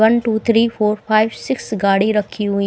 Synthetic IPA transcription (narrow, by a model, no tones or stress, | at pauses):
ənʈuːt̪ʰɾiːfoːɾpʰaːɪʋsɪksɡaːɽiɾɐkʰːiɦʊi